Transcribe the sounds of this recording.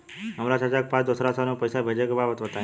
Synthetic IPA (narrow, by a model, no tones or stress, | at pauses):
ɦəmɾasat͡ʃak̚pãt͡ʃd̪osɾasanupəjsabʱəd͡ʒəkbabət̪ʋət̪a